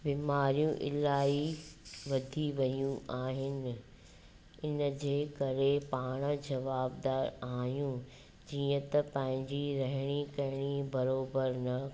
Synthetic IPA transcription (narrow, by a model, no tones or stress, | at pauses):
biːmaːɾijũʔɪ̰laːiʋɐd̪ʱiʋɐjũʔaːɦɪnɪ̆ | ɪnəd͡ʑeːkɐɾepaːɽ̃d͡ʑɐʋaːb̚d̪aːɾaːɦjũ | d͡ʑiːə̃t̪ɐpɐ̃ɦɪ̃ɲd͡ʑiɾɐɦɪɽ̃ikɐɦɪɽ̃ibɐɾoːbəɾnɐ